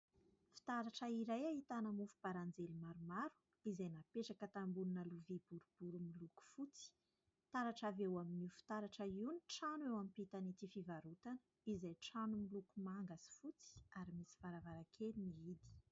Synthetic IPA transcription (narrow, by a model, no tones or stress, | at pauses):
fi̥t̪aɾaʈ͡ʂəiɾajaɦit̪anəmufu̥paɾand͡zelimaɾumaɾu̥ | izajnapeʈ͡ʂakət̪ambununəluvibuɾub̥uɾumiluku̥fut͡si̥ | t̪aɾaʈ͡ʂavewaminiufi̥t̪aɾaʈ͡ʂəiwniʈ͡ʂanwewampit̪anit̪ifivaɾut̪anə̥ | izajʈ͡ʂanumilukumaŋɡasi̥fut͡si̥aɾimisi̥vaɾavaɾakʰeliniid̪i̥